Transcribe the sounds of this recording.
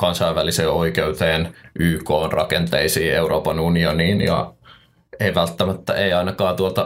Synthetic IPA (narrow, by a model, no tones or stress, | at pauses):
kɑnsɑiʋʋæliseːoikeut̪eːnʔyːkoːnrɑ̰kent̪eisiːeuroːpɑnunioniːnjɑ̰ | eiʋælt̪ːæmæt̪ːæ̰ʔeiɑinɑkɑːt̪uolt̪ɑ